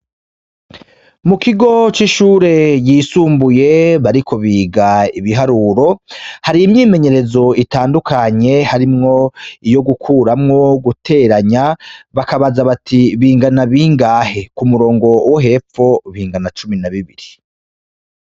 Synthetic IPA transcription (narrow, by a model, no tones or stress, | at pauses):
mukiɡo̞t͡ʃiʃuːɾe̞jiːsuːmbuje̞βaɾikʰo̞βiːɡaiβiɦaɾuːɾo̞haɾiimɲiːme̞ɲe̞ɾe̞zo̞itaːndukʰaɲe̞haɾimŋo̞ijo̞ɡukʰuːɾamŋo̞ɡutʰe̞ɾaɲaβakaβazaβatʰiβiːŋɡanaβiŋɡaːhe̞kumuɾo̞ːŋɡo̞woɦe̞fo̞βiːŋɡanat͡ʃuminaβiβiɾi